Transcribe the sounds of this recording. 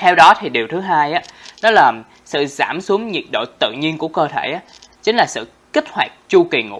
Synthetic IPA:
t̪ʰɛ˧wɗɔ˨˦t̪ʰi˨˩ɗi˨˩əwt̪ʰɨ˨˦ɦaː˧jʔaː˨˦nɔ˨˦laː˨˩ | sɨ̰˧˨zaː˧˩msu˨˦əmɲi˨˩t̚ɗo̰˧˨t̪ɨ̰˧˨ɲi˧ənku˧˩əkəː˧t̪ʰe˧˩ʔaː˨˦ | t͡ɕï˨˦ŋ̟laː˨˩sɨ̰˧˨ | ki˦˥k̟̚hwaː˨˩jk̚t͡ɕu˧ki˨˩ŋṵ˧˥

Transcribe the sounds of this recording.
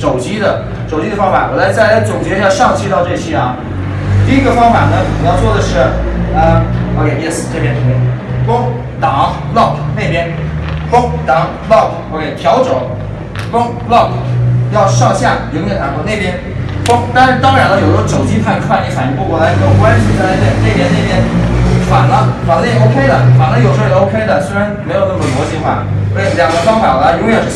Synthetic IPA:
ʈ͡ʂo˨˩ʊt͡ɕi˥d̪ə˨ | ʈ͡ʂo˨˩ʊt͡ɕi˥ə˧fɑ˥ŋfa̰˨˩nwɔ˨˩la˧˥ɪt͡sa˥˩ɪ˥t͡sʊ˨˩ŋt͡ɕjɛ˧˥jɑ˥˧ʂɑ˥˧ŋt͡ɕʰi˥t̪ɑ˥˧ʊʈ͡ʂɤ˥˧ɕʰɛ˥ɐ˨˩ | t̪i˥˧i˥ɡə˧fɑ˥ŋfa˨˩nə˦˨i˨˩jɑ˥˧ʊt͡swɔ˥˩d̪ə˩ʂɻ̩˥˩ə˧o˧kʰe˥ɪi˥˩s̩˨˩ʈ͡ʂɤ˥˩pjɛ˥no˧˩ɛ˥˩kʊ˥ŋ | t̪ɑ˨˩˦ŋlɑ˥˩ʊkʰne˥˩ɪpjɛ˥nfʊ˥ŋt̪ɑ˨˧˥ŋ | lɑ˥˩kʰ | o˨˧kʰe˥˩ɪt̪ʰjɑ˧˥ʊʈ͡ʂo˨˩˦ʊ | kʊ˥ŋ | lɑ˥˩kʰjɑ˥˧ʊʂɑ˥˧ʊɕja˥˩ji˧˥ŋjɛ˨˩na˨˩˥ne˥˩ɪpjɛ˥n | kʊ˥ŋt̪a˥˧nʂɻ̩˥˧t̪ɑ˥ŋɻa˧˥nlə˧jo˨˩ʊ˥˧˥ɔ˥ʈ͡ʂo˨˩ʊt͡ɕi˥pʰa˥˧nkʰwa˥˩ni˧˥fa˨˩ni˧˥pu˥˩wɔ˨˩la˧˥m˧˥jo˨˩ʊkwa˥nɕi˨˩t̪ʰə˧˩e˧˥˧ɛ˥˩ne˥˩ɪpjɛ˥ne˥˩ɪpjɛ˥nfa˨˩nlə˦fa˨˩nlə˥jo˥ʊkʰe˥ɪd̪ə̰˨fa˨˩nlə˦jo˨˩ʊʂo˥ʊkʰe˥ɪd̪ə˨swe˥ɪɻa˧˥nme˧˥ɪjo˨˩ʊna˥˩mə˩wɔ˧˥t͡ɕi˥xwa̰˥˩˧ | ljɑ˨˩ŋɡə˦fɑ˥ŋfa˨˩wɔ˨˩la˧˥jʊ˧˥ŋɥɛ˨˩ʂ̩˥

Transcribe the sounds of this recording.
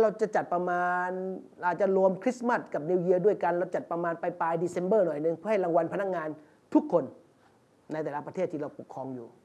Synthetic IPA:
ɾa˧wt͡ɕa˨˩t͡ɕa˨˩t̪̚pɾa˧maː˧n | aː˨˩t͡ɕa˨˩lu˧əmkʰɾi˦˥sma˥˩t̪̚ka˨˩p̚ni˧wji˧ədu˥˩əjka˧nɾa˧wt͡ɕa˨˩t̪̚pɾa˧maː˧npa˧jpaː˧jdiː˧se˧nbɤː˥˩nɔ˨˩jnɯ˧˩ŋpʰɯ˥˩ha˥˩jla˧ŋwa˧npʰa˧na˥k̚ŋaː˧n | t̪ʰu˦˥kʰːo˧nː | a˧jt̪ɛː˨˩la˦˥pɾa˧t̪ʰeː˥˩t̪ʰːi˧ɾa˧wpu˨˩kʰːɔː˧ŋjuː˨˩

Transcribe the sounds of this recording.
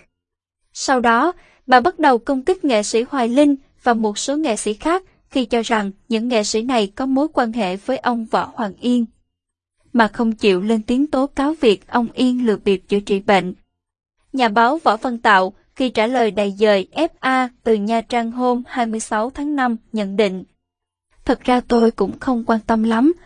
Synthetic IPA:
sa˧wɗɔ˨˦ | ɓaː˨˩ɓa˦˥t̚ɗə˨˩wkə˧wŋ͡mkï˦˥k̟̚ŋḛ˧˨sḭ˧˥hwaː˨˩jlï˧ŋ̟ | vaː˨˩mo˨˩t̚so˨˦ŋḛ˧˨sḭ˧˥xaː˦˥k̚ | xi˧t͡ɕɔ˧za˨˩ŋɲɨ̰˧˥ŋːḛ˧˨sḭ˧˥na˨˩jkɔ˨˦mo˨˦jkwaː˧nhḛ˧˨vəː˨˦jʔə˧wŋ͡mvɔ̰˧˥hwaː˨˩ŋʔi˧ən | maː˨˩xə˧wŋ͡mt͡ɕḭ˧˨wle˧nt̪i˨˦əŋt̪o˨˦kaː˨˦wvi˨˩ək̚ʔə˧wŋ͡mʔi˧ənlɨ˨˩k̚ɓi˨˩əp̚t͡ɕɨ̰˧˩t͡ɕḭ˧˨ɓḛ˧˨ŋ | ɲaː˨˩ɓaː˨˦wvɔ̰˧˥˩və˧nt̪a̰ː˧˨w | xi˧t͡ɕaː˧˩ləː˨˩jɗaː˨˩jzəː˨˩jʔɛ˦˥p̚ʔaː˧t̪ɨ˨˩ɲaː˧˩t͡ɕa˧ŋɦo˧mhaː˧jmɨ˧əjsa˨˦wt̪ʰaː˨˦ŋna˧mɲə̰˧˥˨nɗḭ̈˧˨ŋ̟ | t̪ʰə˨˩tk̚z̥aː˧t̪o˧jkʊ̰˧˥ŋ͡mxə˧wŋ͡mkwaː˧nt̪ə˧mla˨˦m

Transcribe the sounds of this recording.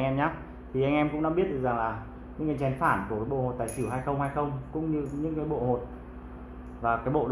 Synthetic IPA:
ɛ˧mɲaː˨˦ | t̪ʰi˨˩ʔa˧jŋʔɛ˧mkʊ̰˧˥ŋ͡mɗɔ˨˦ɓi˦˥ət̚ɗkza˨˩ŋlaː˨˩ | ɲɨ̰˧˥ŋkaː˨˦t͡ɕɛ˨˩˦nfaː˧˩nkkaː˨˦jɓo̰˧˨ho˨˩t̚t̪a̰ː˧˨t͡ɕi˧˩wɦaː˧jxə˧wŋ͡mha˧jxə˧wŋ͡mkʊ̰˧˥ŋ͡mɲɨ˧ɲɨ̰˧˥ŋkaː˨˦jɓo̰˧˨ho˨˩t̚ | vaː˨˩kaː˨˦jɓo̰˧˨ɗ

